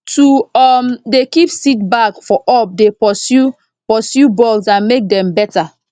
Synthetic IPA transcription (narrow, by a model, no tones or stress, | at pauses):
tuɔmdekipsit̚bakfɔʔɔp̚depɔsju | pɔsjubɔlsãnmek̚dɛ̃mbɛta